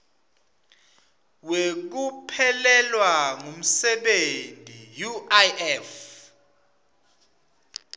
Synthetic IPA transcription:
wek̬upʰɛlɛlwaŋum̩sɛɓentʼijuaɛf

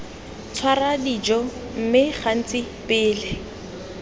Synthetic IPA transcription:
t͡sʰwaradid͡ʒɔ | m̩mɪχan̩t͡sʼɪ | pɪːlɪ

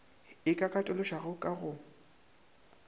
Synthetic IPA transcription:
ɪkʼakʼatʼʊlʊʃaɣʊkʼaɣʊ

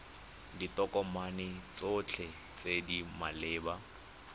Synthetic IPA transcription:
ditɔkʼɔmanɪt͡sot͡ɬʰɛ | t͡sedimalɪːba

